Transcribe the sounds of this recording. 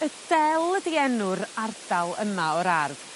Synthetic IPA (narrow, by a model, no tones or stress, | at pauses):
əd̥ɛlˠədiɛnʊɾard̥alˠəmaɔɾarð̥